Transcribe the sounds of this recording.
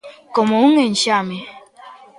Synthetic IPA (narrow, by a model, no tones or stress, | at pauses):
kɔmoŋen̩t͡ʃame